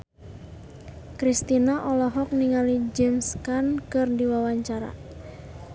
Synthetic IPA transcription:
kɾist̪inaʔɔlɔɦɔk̚niŋalid͡ʒɛmskankɨrdiwawaɲt͡ʃaɾa̰

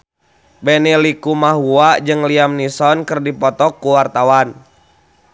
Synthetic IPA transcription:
bɛnilikumaɦuad͡ʒɨŋliamnisɔnkərdipɔt̪ɔkːuwart̪awan

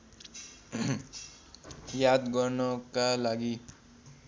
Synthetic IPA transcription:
jad̪ɡʌrnʌkalaɡi

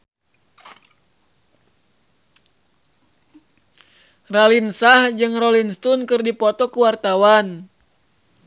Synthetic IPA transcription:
ralinsahd͡ʒɨŋrɔlinst̪unkɨrdipɔt̪ɔkuwart̪awan

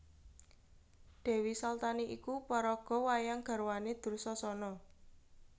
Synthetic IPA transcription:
ɖ̪̥ɛ̤wisalt̪aniʔikupɔɾɔɡ̥ɔ̤wajaŋɡ̥a̤ɾwaned̪̥ṳrsɔsɔnɔ

